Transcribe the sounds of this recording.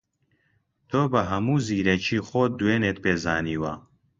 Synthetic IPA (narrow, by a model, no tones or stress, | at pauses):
t̪ʰoːbɐɦɐmuːziːɾɐt͡ʃʰiːxoːd̪uweːneːt̪̚peːzaːniːwɐ̰